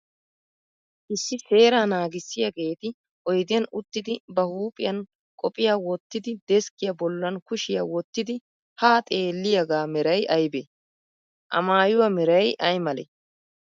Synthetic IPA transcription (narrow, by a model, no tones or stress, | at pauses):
ʔɪsːɪse̞ːɾaːnaːɡɪsːɪjɐɡeːt̪ɪ | ʔɔjd̪ɪjɐnʊt̪ːɪd̪ɪbɐhuːpʼɪjɐn | kʼɔpʼɪjaːwɔt̪ːɪd̪ɪd̪ɛskʼːɪjɐbɔlːɐnkʊʃɪjɐwɔt̪ːɪd̪ɪ | haːt̪ʼe̞ːlːɪjɐɡaːmɛɾɐjʔɐjbe | ʔɐ̰maːjʊwɐmɛɾɐjʔɐjmɐlɛ̰